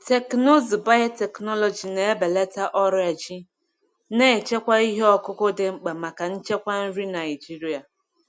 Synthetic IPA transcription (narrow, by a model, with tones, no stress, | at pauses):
te˨kno˦zi˨ba˦jo˦te˨knɔ˦lɔ˨d͡ʒi˨ne˨˦be˨le˦ta˦ʔɔ˦ɾa˨d͡ʒi˦ | ne˦˨t͡ʃe˦kʷa˦i˦ɦe˦ɔ˦kʊ˦ko˦de˨ŋ͡m̩˨k͡pa˨ma˨ka˨n̩˦t͡ʃe˦kʷa˦n̩˦ɾi˦na˨ɪ˨d͡ʒi˦ɾi˨a˨